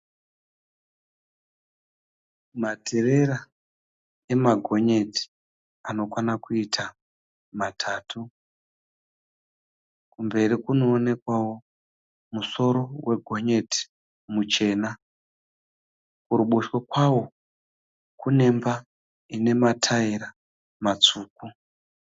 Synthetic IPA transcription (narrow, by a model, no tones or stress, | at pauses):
matʰere̞ɾa | e̞maɡʱo̞ɲe̞ti̥ | ano̞kwanakuitʰa | matʰaːtu | kumbe̞rikuno̞ːne̞kwawo̞ | muso̞ɾo̞wʔe̞ɡʱo̞ɲe̞ti̥ | mut͡ʃe̞ːna | kuɾuɓuʃwokwawo̞ | kune̞mba | ine̞matʰaiɾa | mat͡suːku